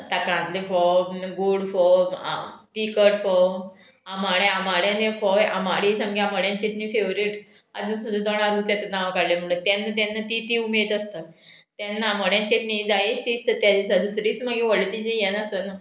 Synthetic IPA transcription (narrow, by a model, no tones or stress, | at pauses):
t̪akãnt̪lefɔɡuɽfɔ̰ | t̪ikəʈfɔ | amaɽjãamaɽjãnefɔja̰maɽisəmɡaaməɽjãɲt͡ɕet̪nifeʋɾiːʈ | a̰d̪ũsəd̪ũd̪ɔɳ̃ad̪ũt͡sjat̪enaʋkaɽljam̤əɽ̃ũt̪anːat̪̬anːat̪it̪iumed̪əst̪at̪anːaməɽjãɲt͡ɕet̪nid͡zaiɕist̪ət̪jad̪isad̪usɾiːsməɡiʋəɭt̪id͡ʑejɛnəsəna